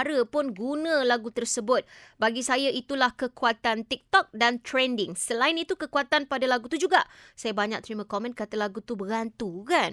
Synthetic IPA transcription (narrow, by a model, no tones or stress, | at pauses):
aɾəpʊnɡunãlaɡut̪ərsəbʊt̪̚baɡisajaʔit̪ulahkəkuat̪ant̪ik̚t̪ɔk̚dant̪ɾɛndɪŋsəlaɪnit̪ukəkuat̪anpadalaɡut̪ud͡ʒuɡaʔ | sajabaɲak̚t̪əɾimãkɔmɛ̃nkat̪alaɡut̪ubəɡant̪ukan